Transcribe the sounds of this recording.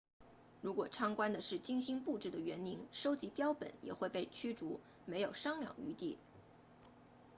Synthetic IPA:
ɻu˧˥kwɔ˨˩ʈ͡ʂʰɑ˥ŋkwa˥nd̪ə˨ʂɻ̩˥˩t͡ɕi˥ŋɕi˥ŋpu˥˧ʈ͡ʂɻ̩˥˩d̪ə˩ɥɛ˧˥ni˧˥ŋʂo˥ʊt͡ɕi˧˥pjɑ˥ʊpə̰˨˩˦njɛ̰˨˩xwe˥˧ɪpe˥˩ɪt͡ɕʰy˥ʈ͡ʂu˧˥ | me˧˥ɪjo˨˩ʊʂɑ˥ŋljɑ̰˨˩ŋy̰˧˥t̪i˥˩

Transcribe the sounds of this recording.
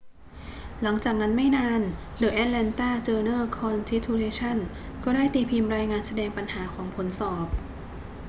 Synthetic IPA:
la˩˦ŋt͡ɕaː˨˩k̚na˦˥nma˥˩jnaː˧˥n | dɯː˨˩ʔɛː˦˥t̪̚lɛ˧nt̪aː˥˩t͡ɕɤː˧nɤː˥˩kʰɔː˧nt̪ʰi˦˥t̪ʰuː˧leː˧˥t͡ɕʰa˥˩n | kɔː˥˩daː˥˩jt̪iː˨˩pʰiː˧mɾaː˧jŋaː˧nsa˧dɛː˧ŋpa˧nhaː˩˦kʰɔː˩˦ŋpʰo˨˩˦nsɔː˨˩p̚

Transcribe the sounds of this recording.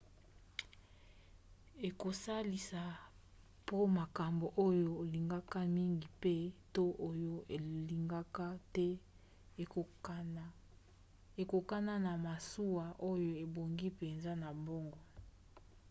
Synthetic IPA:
e˨ko˨sa˦li˨sa˨ | po˦ma˨ka˨mbo˨ʔo˦joː˦˨li˨ŋɡa˦ka˦mi˦ŋɡi˨pe˦to˦ʔo˦jo˦e˨li˨ŋɡa˦ka˦tɛ˦ | e˨ko˨ka˦na˦na˨ma˨su˦wa˨ʔo˦jo˦e˨bo˨ŋɡi˦pe˨nza˦na˨mbo˦ŋɡɔ˨

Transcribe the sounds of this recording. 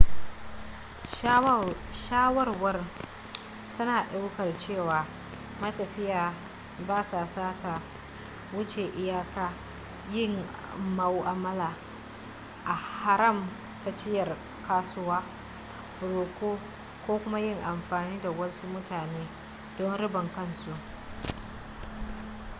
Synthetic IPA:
ʃaː˦wɐ˦rwɐ˦r | tʰɐ˦naː˨ɗa˦wkɐ˨rt͡ʃeː˦˨waː˨ | mɐ˦tɐ˨ɸɪ˦jaː˨ | baː˦saː˨saː˦tʰa˨ | wʊ˦t͡ʃeː˨ʔɪ˦jaː˦kaː˦ | jɪ˦ŋ | ma˨wʔa˨mɐ˦laː˨ | ʔa˨ha˦ɾɐ˦˨m | ta˨t͡ʃɪ˦jɐ˨r | kaː˦sʊ˦waː˦ | ɽoː˨kʷoː˦ | kʷoː˦kʷʊ˦ma˦jɪ˦˨ŋʔa˨mɸaː˨niː˦da˨wɐ˦su˦mʊ˦taː˨neː˦ | d̥ɔ˦nɽɪ˦bɐ˨ŋkɐ˦nsu˨ʔ

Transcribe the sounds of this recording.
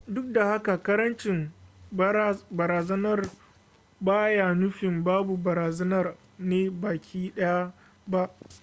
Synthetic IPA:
dʊ˦k̚da˨ha˦ka˨kɐ˦ɾɐ˦nt͡ʃɪ˨m | bɐ˨ɾaː˨zɐ˦nɐ˦˨r | baː˦jaː˨nʊ˦ɸɪ˨mbaː˦bu˨bɐ˨ɾaː˨zɐ˦nɐ˦˨r | neː˦baː˨kʲʰiː˦ɗɐ˦ja˦ | ba˦ʔ

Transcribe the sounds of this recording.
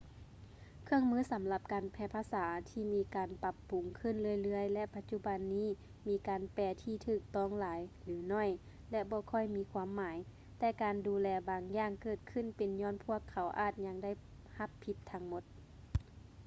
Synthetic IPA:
kʰɯ˧əŋmɯː˧˥˨sa˨˦mla˧p̚kaː˨˩npʰɛː˧pʰaː˧saː˩˦t̪ʰiː˧˩miː˧kaː˨npa˧˥pːu˨ŋkʰɯ˧˥˨nlɯ˧˩ə˨jlɯ˧˥əjlɛ˧pa˧t̪̚t͡ɕu˧˨ba˨nːiː˧˥˨ | miː˧kaː˨npɛː˧˩t̪ʰiː˧˩t̪ʰɯː˧˩k̚t̪ɔː˧˥˨ŋlaː˨˦jlɯː˨˦nɔː˧˥˩j | lɛ˧bɔː˧˦kʰɔ˧˥˨jmiː˧˥kʰwaː˧˥mːaː˨˦j | t̪ɛː˧kaː˨nduː˨˧lɛː˧baː˨˧ŋjaː˧ŋkɤː˧˩t̪̚kʰɯ˧˥˨npe˨nɲɔː˧˥˨npʰu˧˥˩əkʰːa˨˦wʔa̰ː˧˩t̪̚ɲa˧ŋda˥˨j | ha˧pʰːi˧˥p̚t̪ʰa˧˥ŋmo˧˦t̪̚

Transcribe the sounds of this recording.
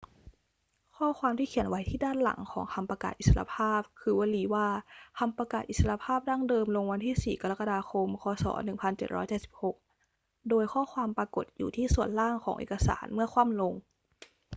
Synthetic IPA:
kʰɔː˥˩kʰwaː˧mt̪ʰiː˥˩kʰi˨˩˦ənwa˨˦jt̪ʰiː˥˩daː˥˩nla̰˨˩˦ŋkʰɔ̰ː˩˦ŋk̪ʰa˧mpɾa˧ka̰ː˨˩t̪̚i˨˩t̪sa˧la̰˧pʰaː˥˩p̚kʰɯː˧wa˧liː˧˩waː˧˩k̪ʰa˧mpɾa˧kaː˨˩t̪̚i˨˩sa˧la˧pʰaː˥˩p̚daː˥˩ŋdɤː˧mlo˧ŋwa˧nt̪ʰiː˥˩siː˨˩ka˧la˦˥kːa˧daː˧kʰo˧mkʰɔː˧sɔ̰ː˩˦nɯ˨˩ŋpʰa˧nt͡ɕe˨˩ɾɔ̰ː˦˥jt͡ɕe˨˩t̪̚si˨˩p̚ho˨˩k̚ | doː˧jkʰɔː˥˩kʰwaː˧mpaː˧ko˨˩t̪̚jṵː˨˩t̪ʰiː˥˩su˨˩ənlaː˥˩ŋkʰɔː˩˦ŋʔḛː˨˩kːa˧sa̰ː˩˦nmɯ˥˩ɐkʰwaː˥˩mlo˧ŋ

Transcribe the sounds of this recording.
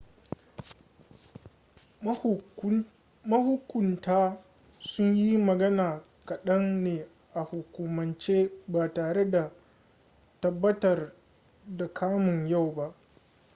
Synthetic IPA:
mɐ˦hʊ˦kʷʊ˨ntaː˦ | sʊ˦ɲji˦mɐ˨ɡɐ˦naː˨ | kɐ˨ɗɐ˦nneː˨ | ʔa˨hʊ˨kʷʊ˨mɐ˨nt͡ʃeː˦baː˨taː˨ɽe˦da˨ | tɐ˦bːɐ˦tɐ˨r | da˨kʰaː˦mʊ˨ɲja˦˨wba˦ʔ

